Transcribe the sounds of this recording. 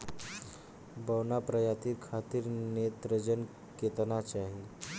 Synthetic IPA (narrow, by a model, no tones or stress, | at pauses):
bəwnapɾəjat̪iːlkʰat̪iːɾnet̪ɾəd͡ʑən | ket̪nat͡ɕaɦi